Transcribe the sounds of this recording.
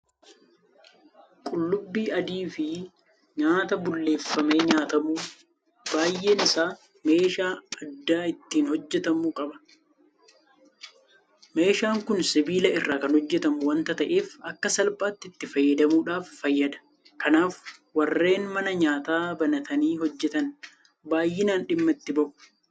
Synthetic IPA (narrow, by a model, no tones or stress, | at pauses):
kʼʊlːʊbːiːʔɐd̪iːfɪ | ɲaːt̪ɐbʊlːe̞ːfːɐme̞ːɲaːt̪ɐmuː | b̥aːjʔe̞ːnɪsaː | me̞ːʃaːɐd̪ːaːɪt̪ːiːnhɔd͡ʒːɛt̪ɐmuːkʼɐbɐ̥ | me̞ːʃaːŋkʊnsɪbiːlɐɪrːaːkɐnhɔd͡ʒːɛt̪ɐmuwɐnt̪ɐt̪ɐʔe̞ːfɐkːɐsɐlpaːt̪ːɪɪt̪ːɪfɐjːɐd̪ɐmuːᶑaːfːɐjːɐd̪ɐ̥ | kɐnaːfwɐrːe̞ːnmɐnɐɲaːt̪aːbɐnɐt̪ʰɐniːɦɔd͡ʒːɛt̪ɐn | baːjːɪnaːnɗɪmːɐɪt̪ːɪbɐʔʊ̥